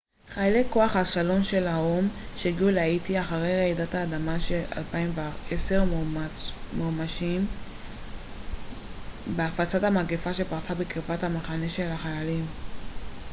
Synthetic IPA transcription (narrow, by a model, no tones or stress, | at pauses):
χajlekːo̞aχhaʃalo̞nʃe̞laom | ʃeɡiuleajitiaχaʁejʁeidathaːdamaʃela̰lpaimveese̞ʁ | momaʃim | beafat͡sathamaɡefaʃe̞paʁt͡sabekʁipathamaχaneʃe̞laχajalim